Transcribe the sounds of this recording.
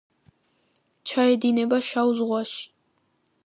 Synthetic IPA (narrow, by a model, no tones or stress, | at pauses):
t͡ʃʰaɛd̪inɛbaʃauzʁwaʃi̥